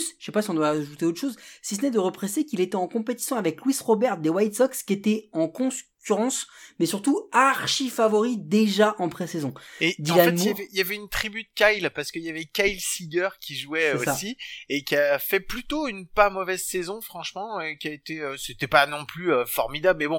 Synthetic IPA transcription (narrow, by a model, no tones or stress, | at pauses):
sʃepasiɔ̃d̪waʒut̪eot̪ʃozsis̬ənɛd̪əʁəpχesekʲilet̪ɛɑ̃kɔ̃pet̪i̥sjɔ̃avɛklwisʁɔbɛʁt̪̚d̪ewajt̪sɔkskʲiet̪ɛɑ̃kɔ̃kʲyʁɑ̃smɛsyʁt̪uaʁʃifavɔʁid̪eʒaʔɑ̃pχesezɔ̃ed̪ĩlafɛnmuavɛjavɛynt̪χibyd̪əkʲajlpaʁsə̥kəjavɛkajlsiɡœʁkʲiʒuɛsɛosaiekʲiafɛplyt̪oynpamɔvɛzsɛzɔ̃fχɑ̃ʃmɑ̃økʲiaet̪eøset̪ɛpanɔ̃plyøfɔʁmid̪ablmɛbɔ̃